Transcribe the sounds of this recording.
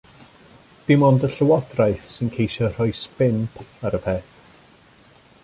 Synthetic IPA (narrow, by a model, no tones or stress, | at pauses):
d̥ɪmɔndəɬəwɔdrajθsɪnkʰejʃɔr̥ɔɨspɪnpʰaɾəpʰeːθ